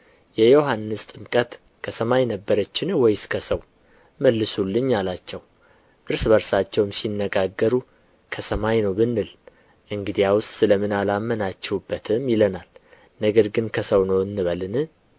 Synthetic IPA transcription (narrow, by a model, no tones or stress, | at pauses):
jɛjoɦanːɨst̪ʼɨmkʼət̪ | kʰəsəmajnəbːəɾət͡ʃːɪnwɔjskʰəsəw | məlːɨsulːɨɲːalat͡ʃːɛw | ʔɨɾsbəɾsat͡ʃːɛwmsinːəɡaɡːəɾu | kʰəsəmajnəwbɨnːɨl | ʔɨŋɡɨd̪ijawʊst̪sɨləmɨnalamːənat͡ʃːɛwubːət̪ʰɨmjɪlənal | nəɡəɾɡɨnkʰəsəwnəwɨnːɨβəlɨnɨ